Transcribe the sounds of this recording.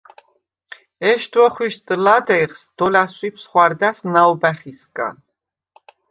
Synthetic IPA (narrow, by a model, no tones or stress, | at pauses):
ɛʃd̪wɔχwiʃt̪ʼlad̪ɛʁsd̪̥ɔlaswipʰsχwaɾd̪asnaɔbæχisɡa̰n